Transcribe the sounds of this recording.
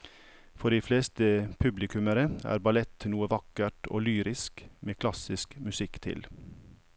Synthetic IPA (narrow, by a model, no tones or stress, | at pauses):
fɔɖiːfleːst̪əpʰʉblɪkʉməɾəæ̰ːɾbɑlɛt̪nuːəʋɑkəʈʰo̰ːlyːɾɪskmʔeːkʰlɑsɪskmʉsɪkt̪ʰɪ̰l